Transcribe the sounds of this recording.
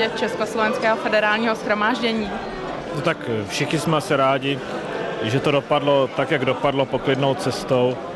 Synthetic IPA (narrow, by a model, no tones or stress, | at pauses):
ɛt̪t͡ʃɛskoslovɛnskɛːɦofɛdɛɾaːlɲiːɦosxɾo̞maːʒɟɛɲiː | not̪akfʃɪxɲɪsmɛasɪɾaːɟɪ | ʒɛt̪o̞do̞padlo̞t̪akjaɡdo̞padlopo̞klɪdnowt͡sɛst̪o̞w